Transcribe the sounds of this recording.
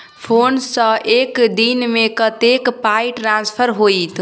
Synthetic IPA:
pʰoːnsə̃ekd̪inmẽkət̪ekpaiʈɾãːnspʰəɾɦoːit̪

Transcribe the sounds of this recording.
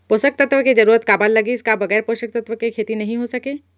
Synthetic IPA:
poːʃək̚t̪ɐt̪ʋəked͡ʒɐɾuːɾət̪kaːbaːlːɐɡiɪskabɐɣɛːɾpoːʃək̚t̪ɐt̪ʋəkekʰeːt̪inɐɦĩɦosɐkeː

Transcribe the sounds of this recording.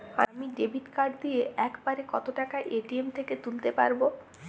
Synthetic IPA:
a̰miɖebiʈkaɾd̪ieʔɛkbaɾekɔt̪oʈakaʔeʈiemt̪ʰeket̪ult̪epa̰ɾbo

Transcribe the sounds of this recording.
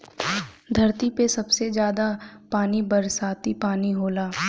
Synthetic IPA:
d̪ʱɐɾt̪ipesɐbsed͡ʒjaːd̪apaːnibɐɾsaːt̪ipaːniɦoːlaː

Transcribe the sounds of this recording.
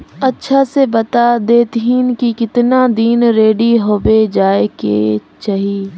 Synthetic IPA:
ɐtːʃʰasebɐt̪ad̪eːt̪ɦiːnkikɪt̪nad̪iːnɾeːɖiɦoːbed͡ʒaːekḛt͡ʃaːɦie

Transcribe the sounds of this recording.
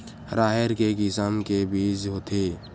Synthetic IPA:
ɾʔaːɦeɾkekɪsamkebiːd͡ʒɦoːt̪ʰeː

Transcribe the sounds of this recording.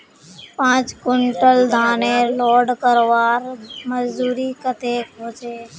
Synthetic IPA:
pãːt͡ʃkʊɳʈəld̪ʱaːneːloːɖkəɾʋaːɾməzd̪uːɾiːkət̪ʰeːkɦoːt͡ʃeː

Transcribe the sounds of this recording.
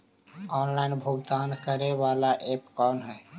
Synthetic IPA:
ɔːnlainbʱuɡd̪aːnkəɾeβalaʔepkɔnɦɛ

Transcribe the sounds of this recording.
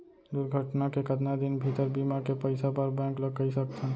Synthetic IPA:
d̪ʊɾɡʱəʈnakekət̪nad̪ɪnbʱit̪əɾbimakepəɪsapəɾbɛ̃ːŋkləɡkːəisək̚t̪ʰã

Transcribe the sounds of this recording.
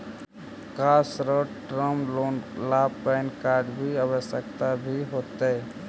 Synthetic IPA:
kasɾəʈɾəmolapːɛɪnkaɾɖbʱiəβəsjəkt̪abʱiɦot̪ɛ

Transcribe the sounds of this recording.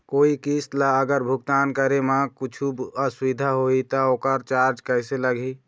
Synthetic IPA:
koːikist̪laəɡəɾbʱʊɡ̚t̪ankəɾemakut͡ʃʰubəsʋid̪ʱaɦoit̪ɔoːkəɾt͡ʃaɾd͡ʒkəɦɪseləɡʱi

